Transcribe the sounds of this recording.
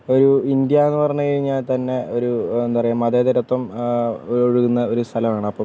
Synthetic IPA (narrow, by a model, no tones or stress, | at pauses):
o̞ɾuind̪jɐe̞nːɨpɐrɐɲːukɐɻiɲːaːlt̪ɐnːe̞o̞ɾuend̪upɐrɐjumɐðeːd̪ɐɾɐt̪ːɐm | oɻuɣunːɐo̞ɾust̪ʰɐlɐmaːɳɨɐpːɐm